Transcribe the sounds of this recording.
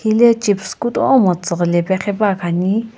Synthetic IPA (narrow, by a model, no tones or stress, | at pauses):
ilɛt͡ʃipʰskut̪ʼɔmɔt͡səqlɛpɛχɛpakʰani